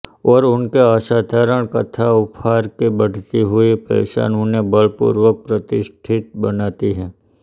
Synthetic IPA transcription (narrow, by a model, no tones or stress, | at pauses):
ɔːɾʊnkeaːʃaːt̪ʰaːɾəɽ̃kət̪ʰaʊpʰaːɾkebɐɽ̤t̪iɦʊipɛ̰ːʃa̰ːnunebəlpʊ̰ːɾwək̚pɾət̪ɪʃʈʰɪt̪̚bɐnaːt̪iɦɛː